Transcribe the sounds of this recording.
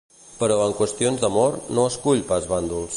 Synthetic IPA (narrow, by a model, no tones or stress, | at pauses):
pəɾɔəŋkwəst̪ionzðəmɔɾnoəskuʎpazβand̪ulˠs